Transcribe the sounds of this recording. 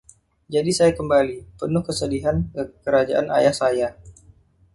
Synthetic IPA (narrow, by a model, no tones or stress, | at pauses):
d͡ʒadisajakəmbalipənʊhkəsədiɦankəkəɾad͡ʒaʔana̰jahsaja